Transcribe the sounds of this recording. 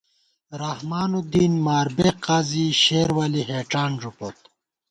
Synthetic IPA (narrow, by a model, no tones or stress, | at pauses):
ɾahmaːnud̪iːnmaːɾbeqaːziɕeːɾwaliɦeːʈ͡ʂaːnʐupot̪̚